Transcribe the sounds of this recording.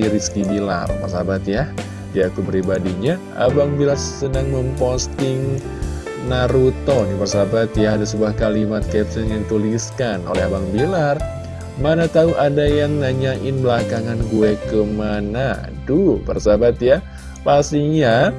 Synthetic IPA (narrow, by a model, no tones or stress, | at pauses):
iɾiskibila̰rpərsabat̪ja | diakubəɾibadiɲa | a̰baŋbilarsənaŋməmpɔst̪ɪŋ | naɾut̪ɔnibərsabat̪jaːdasəbuahkalimat̪̚kɛpsənjadit̪uliskano̰lɛɦabaŋbilar | manat̪auʔadajaŋnaɲaʔɪnbəlakaŋanɡuekəmana̰ | dupərsabat̪ja | past̪iɲa